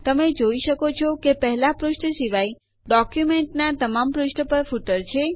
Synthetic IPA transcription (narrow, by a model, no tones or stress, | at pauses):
t̪əmed͡ʒoiʃəkot͡ʃʰɔkepəɦɛlapɾʊʃʈəʃiʋai | ɖɔkjumeɳʈnat̪əmampɾʊʃʈəpəɾfuʈəɾt͡ʃʰe